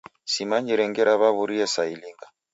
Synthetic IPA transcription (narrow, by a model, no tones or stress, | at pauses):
simaɲd͡ʒiɾɛŋɡɛɾaβaβuɾiɛsailiŋɡa